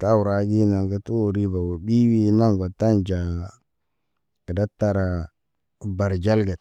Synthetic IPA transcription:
ta˦wu˨ɾa˨ɡi˦na˨ŋɡa˦tu˦o˨ɾi˦ba˨wo˨bi˦wi˦na˦ŋɡo˨ta˦nd͡ʒa˨ | kə˨da˦tːa˨ɾa˨ | ba˨ɾd͡ʒa˦lɡa˨t̚

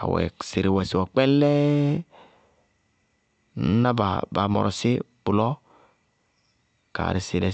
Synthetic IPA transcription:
a̰˨wɛ̰˨se˨ɾi˨wɛ˨si˨a˨k͡pɛ˦n˦lɛ˦ | n̩˦na˦ba̰˨ba˨mɔ̰˨ɾʔɔ˨si˦ | bu˨lɔ˦ | ka̰˨ɾi˨si˨lɛ˨

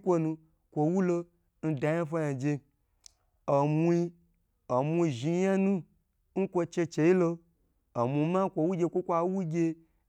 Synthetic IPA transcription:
kʷo˧nũ˧ | kʷo˨wu˦lo˧ | n̩˦da˨ja˦fa˦ja˨d͡ʒe˧ | o˨mu˦i˧ | o˨mʷu˧˨ʒi˧ja˦nũ˦ | ŋ̩˦kʷo˧t͡ʃe˧t͡ʃe˧i˦lo˧ | o˨mʷu˨˧ma˦kʷo˧wu˦ɡʲe˧kʷo˦kʷa˧˦wu˦ɡʲe˧

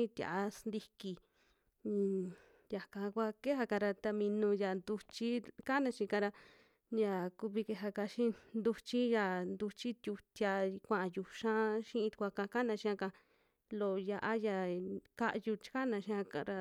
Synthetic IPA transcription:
ĩ˦t̪ʲja̰˨a˧snd̪i˧ki˧ | ja˨kã˧kʷa˧ke˦ɦa˧ka˧ɾa˧t̪a˧mĩ˧nũ˧ja˨nd̪u˧t͡ʃi˦ka˦nã˧ʃĩ˧kã˧ɾa˧ | ja˧ku˧βi˧ke˧ɦa˧ka˧ʃĩ˦nd̪u˧t͡ʃi˦ja˧nd̪u˧t͡ʃi˦t̪ʲju˧t̪ʲja˧kʷã˧˨ʔã˧ju˧ʃã˦ʃĩ˦ʔĩ˧t̪u̥˧kʷa˧ka˧ka˦nã˧ʃĩ˧˦ã˧ka˧ | lo˧ja˧ʔa˦ja˧ka˦ʔju˧t͡ʃi̥˦ka˦nã˧ʃĩ˧ã˧ka˧ɾa˧

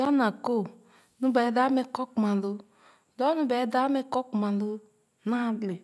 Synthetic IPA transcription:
a˦na˨ko˦˨ | nũ˦bɛ˨˦da˦me˦kɔ˦kmã˨lo˦ | dɔ˦nũ˦bɛ˨˦da˦me˦kɔ˦kmã˨lo˦ | nã˦dle˨

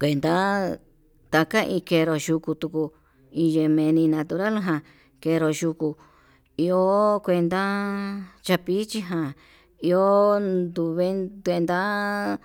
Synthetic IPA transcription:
kʷe˧nd̪a˦ | t̪a˧ka˦ʔĩ˧ke˧˨˧ɾo˨ʃu˧ku˧t̪u˧ku˧ | ĩ˧je˧mẽ˧nĩ˧nã˧t̪u˧ɾa˦lɦã˧ | ke˧ɾo˨ʃu˧ku˧ | i˧o˦kʷe˧nd̪a˦ | t͡ʃa˧pi˦t͡ʃi˦ɦã˧ | i˧o˦d̪u˧βe˦t̪e˧nd̪a˦

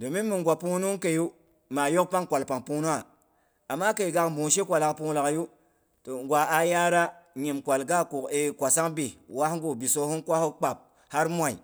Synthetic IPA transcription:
do˨mi˦mu˨ŋɡʷa˨pu˦nu˦ke˨ju˦ | ma˨jo˦kpa˦ŋkʷa˨lpa˨ŋpu˦nu˦a˨ | a˨mːa˦ke˨ɡa˨kmbu˨ʃe˦kʷa˨la˨kpu˦la˨kju˦ | to˨ŋɡʷwʷa˨a˦ja˦ɾa˦ɲi˨mkʷa˨lɡa˦ku˨ke˨kʷa˨sa˦ŋbi˨wa˦hŋɡu˨bi˨so˦hu˦nkʷa˦hu˦k͡pa˨p̚ | ha˦ɾmʷ˦a˨ḭ˨

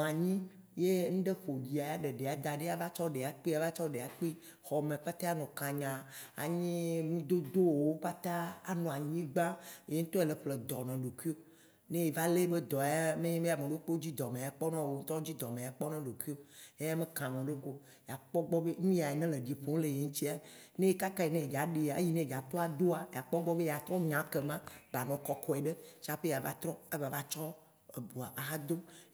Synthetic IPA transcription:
nɔ̃˨a˨ɲĩ˦ | je˦ŋ̩̃˦ɖe˦ɸo˨d͡ʑi˨a˨ja˦ɖe˨ɖe˨a˨d̪a˨ɖe˦a˨va˦t͡ʃɔ˦ɖe˨a˨k͡pi˦a˨va˦t͡ʃɔ˦ɖe˨a˨k͡pi˦ | xɔ˨mẽ˨k͡pa˦t̪a˦a˦nɔ̃˨kã˨ɲã˨a̰˨ɲĩ˦ŋũ˦d̪o˦d̪o˦wo˨wo˦k͡pa˦t̪a˦a˨nɔ̃˨a˨ɲĩ˦ɡ͡bã˦je˦ŋ̩̃˦t̪ɔ˦e˨le˨ɸle˨d̪ɔ˨nɔ̃˨ɖo˨kʷi˦o˦ | nẽ˦je˨va˦le˦be˦d̪ɔ˨a˦mẽ˦ɲẽ˦me˦a˨mẽ˨ɖo˦k͡po˦d͡ʑi˦d̪ɔ˨mẽ˨a˨k͡pɔ˦nã˦wo˨˦ŋ̩˦t̪ɔ˦d͡ʑi˦d̪ɔ˨mẽ˨a˨k͡pɔ˦nɔ̃˦ɖo˨kʷi˦o˦e˦a˦me˦kã˨mẽ˨ɖo˦ko˦ | ja˨k͡pɔ˦ɡ͡bɔ˦be˦mĩ˦a˨e˨nẽ˦le˨ɖi˨ɸo˦ŋ˦le˨je˨˦ŋũ˦t͡ɕi˦a˨ | nẽ˦je˦ka˦ka˦je˨nẽ˦e˨ɡa˨˦ɖe˨a˨e˦ji˦nẽ˦e˨ɡa˨t̪ɔ˦a˨d̪o˦a˨ja˨k͡pɔ˦ɡ͡bɔ˦be˦ja˨t̪ɾɔ̃˦ɲã˨˦ke˨mã˦ba˨nɔ̃˨kɔ˨kɔ˨e˨ɖe˦t͡ʃa˦ɸe˦ja˨va̰˦t̪ɾɔ̃˦e˦va˨va˦t͡ʃɔ˦ | e˨bu˨a˨ʔa˨ɦa˦d̪o˦

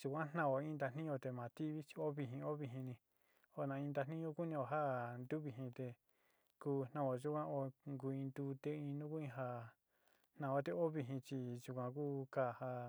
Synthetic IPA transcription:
ʒ̥u˧kʷã˦n̥nã˧˨o˨ĩ˦nd̪a˧n̥ĩ˦˧o˧t̪e˧˨mã˨t̪i˦βi˦t͡ʃi̥˧o˦βi˧ɦĩ˧o˦βi˧ɦĩ˧nĩ˧ | o˧nã˧ĩ˧nd̪a˧nĩ˦õ˦ku˦nĩ˧o˧˨ɦa˦nd̪u˦βi˧ɦĩ˧t̪e˧ | kuː˧n̥nã˧o˧ʒu˦kʷã˦o˧ŋɡu˧ĩ˧nd̪u˧t̪e˧ĩ˧nũ˦ku˦ĩ˧ɦa˧ | n̥nã˧˨˧o˧˦t̪̬e˧o˦βi˧ɦĩ˧t͡ʃi˧ʒu˧kʷã˧ku˦ka˦˨ha˧

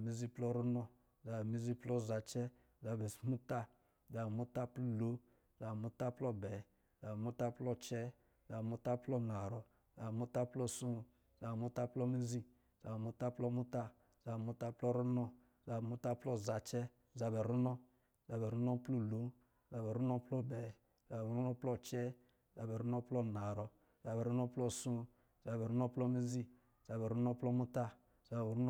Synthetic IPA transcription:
mi˦zi˦plɔ˦ɾu˦nɔ˧ | za˨bɛ˨mi˦zi˦plɔ˦˨za˨t͡ʃɛ˦ | za˧bɛ˨smu˦ta˦ | za˨bɛ˨mu˦ta˦plu˦lo˨˦ | za˨bɛ˨mu˦ta˦plɔ˦bɛ˨ | za˨bɛ˨mu˦ta˦plɔ˦t͡ʃɛ˦ | za˨bɛ˨mu˦ta˦plɔ˦na˨ɾɔ˨ | za˨ɛ˨mu˦ta˦plɔ˦sũ˦˨ | za˨bɛ˨mu˦ta˦plɔ˦mi˦zi˦ | z̥a˨bɛ˨mu˧˦ta˦plɔ˦mu˦ta˦ | za˨bɛ˨mu˧ta˦plɔ˦ɾu˦nɔ˦˨ | za˨bɛ˨mu˦ta˦plɔ˦˨za˨t͡ʃɛ˦ | za˧bɛ˨ɾu˦nɔ˦˨ | za˨bɛ˨ɾu˦nɔ˦plu˦˨lu˨˦˨ | za˨bɛ˨ɾu˦nɔ˦plɔ˦˨bɛ˨ | za˨bɛ˨ɾu˦nɔ˦plɔ˧t͡ʃɛ˦˨ | za˨bɛ˨ɾu˦nɔ˦plɔ˦˨na˨ɾɔ˨ | za˨bɛ˨ɾu˦nɔ˦plɔ˦sũ˦ | za˨bɛ˨ɾu˦nɔ˦plɔ˦mi˦zi˦˨ | za˨bɛ˨ɾu˦nɔ˦plɔ˦mu˦ta˦ | z̥a˨bɛ˨ɾu˦n˦

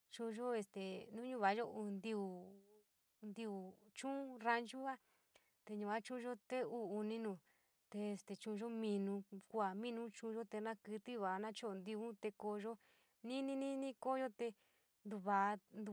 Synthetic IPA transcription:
t͡ʃũ˧ʒo˦e˧st̪e˨nũ˦ɲũ˦˧βa˨˦ʒo˦u˧˨nd̪i˧u˨ | nd̪i˧u˨t͡ʃũ˦ɾa˧nt͡ʃu˦a˦ | t̪e˧ɲũ˧˨a˦t͡ʃũ˦ʒo˦t̪e˦uː˦˧nĩ˦nũ˧˨ | t̪e˧e˧st̪e˨t͡ʃũ˧ʒo˦mĩ˧nũ˧kʷu˦a˨mĩ˦nũ˦t͡ʃũː˧ʒo˦t̪e˧nã˦kɨ˧t̪i˦βa˨˦nã˦t͡ʃo˦o˧nd̪i˧ũ˦t̪e˧ko˧ʒo˦ | nĩ˦nĩ˦nĩ˦nĩ˦ko˦ʒo˦t̪e˧ | nd̪u˧βa˨˧nd̪u˧

